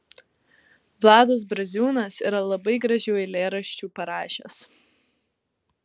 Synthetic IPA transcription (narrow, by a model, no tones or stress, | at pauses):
ʋlˠɑːd̪ɐs̬bɾɐzʲuːnɐsḭːɾɐlˠɐbɐɪɡɾɐʒʲɛʊɪlʲeːɾɐʃʲt͡ʃʲuːpɐɾɑːʃʲḛs